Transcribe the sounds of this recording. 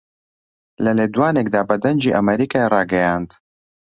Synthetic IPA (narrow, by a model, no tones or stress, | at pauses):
lɐleːd̪waːnekd̪aːbɐd̪ɐnd͡ʒiːʔɐmɛɾiːkaːerɑːɡɛjaːnd̪